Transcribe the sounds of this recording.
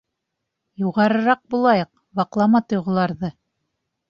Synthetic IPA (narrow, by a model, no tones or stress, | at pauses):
juʁɑɾɤ̆ɾɑq̚bulˠɑjɤq | wɑqlˠɑmɑt̪ŏjʁɤ̆lˠɑɾðɤ